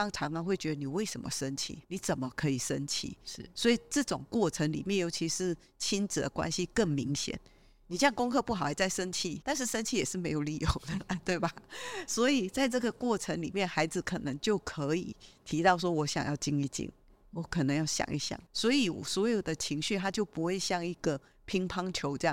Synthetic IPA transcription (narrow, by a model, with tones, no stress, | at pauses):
ɑ˥ŋʈ͡ʂʰɑ˧˥ŋə˧we˥˩ɪt͡ɕɥɛ˧˥d̪ə˧ni˨˩we˥˩ɪʂə˧˦mə̰˧ʂə˦nt͡ɕʰḭ˥˩ni˨˩˦t͡sə˨˩nmə˨˦kʰɤ˧˥i˨˩ʂə˦nt͡ɕʰḭ˥˩swɔ˧˥i˨˩ʈ͡ʂɤ˥˩ʈ͡ʂʊ˨˩ŋkwɔ˥˩ʈ͡ʂʰə˧˥ŋlḭ˨˩mjɛ˥˨˩njo˧˥ʊt͡ɕʰi˧˥ʂɻ̩˥˧ | t͡ɕʰi˥nt͡s̩˨˩d̪ə̰˨˩kwa̰˦nɕi˦kə˥˩ŋmi˧˦˥ŋɕjɛ̰˨˩˦n | ni˨˩ɕjɑ˥˧ŋkʊ˥ŋkʰɤ˥˧pu˥˩xɑ˨˩ʊa˨˩t͡sa˥˩ɪʂə˦˥nt͡ɕʰi˥˩t̪a˥˧nʂ̬̩˥˩ʂə˥nt͡ɕʰi˥˩jɛ˨˩ʂɻ̩˥˩me˧˥ɪjo˨˩ʊli˥˩jo˨˩ʊd̪ə˨t̪we˥˩ɪba˨˩swɔ˧˥i˨˩t͡sa˥˧ɪʈ͡ʂɤ˥˩ɡə˨kwɔ˥˩ʈ͡ʂʰə˧˦ŋli˨˩mjɛ˥˩nxa˧˥ɪd͡zɹ̩˧˦kʰɤ˨˩nə˧˦ŋt͡ɕjo˥˩ʊkʰɤ˧˦ḭ˨˩t̪ʰi˧˥t̪ɑ˥˩ʊʂwɔ˥wɔ˧˥ɕjɑ̰˨˩ŋjɑ˥˩ʊt͡ɕi˥ŋi˥˩t͡ɕḭ˥ŋ | wɔ˧˦kʰə˨˩nə˧˥ŋjɑ˥˩ʊɕjɑ̰˨˩˦ŋʔḭ˧ɕjɑ̰˥˩ŋswɔ˧˥i˨˩wɔ̰˨˩swɔ˧˥jo˨˩ʊd̪ə˩t͡ɕʰi˧˥ŋɕy˥˧t̪ʰa˥t͡ɕjo˥˩ʊpu˧˥xwe˥˧ɪɕjɑ˥˩ŋi˧˥ɡ̥ə˨ | pʰi˧˥ŋpʰɑ˥ŋt͡ɕʰjo˧˥ʊʈ͡ʂɤ˥˧jɑ˥˨˩